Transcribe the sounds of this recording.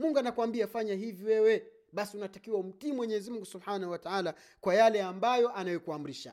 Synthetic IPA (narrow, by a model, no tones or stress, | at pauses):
muŋɡanakwambiafaɲaɦiviwɛwɛ | ɓasiunatakiwaum̩timwɛɲɛɛzimuŋɡusubħaːnahuwataala | kwajalɛambajɔʔanajɔkuam̩ɾiʃa̰